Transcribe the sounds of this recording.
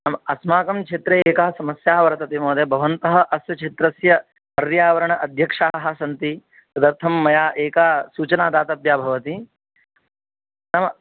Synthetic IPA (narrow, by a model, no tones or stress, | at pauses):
nɐmɐɐsmaːkɐmkʰeːt̪ɾɐeːkɐɦɐsɐmɐsjaːʋɐɾɐt̪ɐt̪imoːd̪ɐbʱɐʋɐnt̪ɐɦɐ̆ʔɐsjɐt͡ʃʰeːt̪ɾɐsjɐ | pɐɾjaːʋɐɾɐɳɐʔɐd̪ʱjɐkʂaːɐɦɐ̆sɐnt̪i | sɐd̪ɐɾt̪ʰɐmːɐjaːʔeːkaːsuːt͡ʃɐnaːd̪aːt̪ɐbjaːbʱɐʋɐt̪i | nɐmɐ